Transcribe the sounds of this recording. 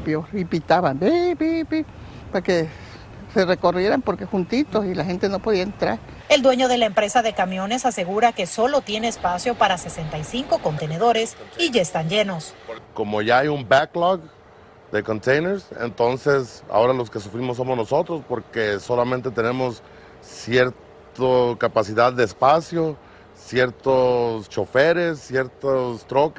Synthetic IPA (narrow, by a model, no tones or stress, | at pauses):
pjoɾipit̪aβambibibi | pake | sereko̞rje̞ɾampo̞ɾkexunt̪it̪o̞silaxent̪eno̞po̞ðiaent̪ɾaɾ | e̞ld̪we̞ɲo̞ðe̞laempɾe̞saðe̞kamjo̞ne̞sase̞ɣuɾake̞so̞lot̪je̞ne̞ːspasjo̞paɾase̞se̞nt̪ajsiŋko̞ko̞nt̪e̞neðo̞ɾe̞siʝaest̪and͡ʒe̞no̞sko̞mo̞ʝaajumbaklɔk | d̪e̞ko̞nt̪ejneɾsḛnt̪o̞nse̞sa̰o̞ɾalo̞ske̞sufɾimos̬ːo̞mozno̞so̞t̪ɾo̞spo̞ɾke̞so̞lamẽ̞nt̪e̞t̪e̞nẽ̞mo̞s | sje̞ɾt̪ | okapasiðaðːeːspasjo̞ | sje̞ɾt̪ost͡ʃo̞fe̞ɾe̞sːje̞ɾt̪ost̪ɾo̞k